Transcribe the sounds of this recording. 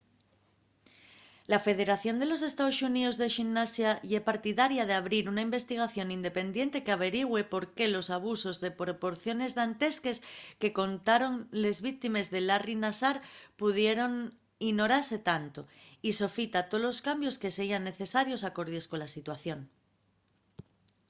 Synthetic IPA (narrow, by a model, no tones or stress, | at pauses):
lafe̞ð̞eɾaθjo̞nd̪e̞lo̞se̞st̪aosuniðozðe̞ʃinːasjaʝepaɾt̪iðaɾjað̞eaβ̞ɾiɾunaimbe̞st̪iɣ̞aθjo̞nind̪e̞pe̞nd̪je̞nt̪ekeaβ̞e̞ɾiɣwe̞po̞ɾke̞lo̞saβ̞uso̞zðe̞pɾo̞po̞ɾθjo̞ne̞zðant̪e̞ske̞ske̞ko̞nt̪aɾo̞nle̞zβik̚t̪ime̞zðe̞larinasaɾpuð̞je̞ɾo̞ŋ | iɣno̞ɾaɾse̞t̪ant̪oiso̞fit̪at̪olo̞skambjo̞ske̞seianːe̞θe̞saɾjo̞sako̞ɾðe̞sko̞nlasit̪waθjo̞n